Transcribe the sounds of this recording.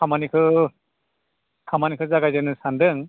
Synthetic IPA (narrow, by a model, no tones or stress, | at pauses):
amanikʰɯ | kʰamanikʰɯzaɡajzɯnɯsandɯŋ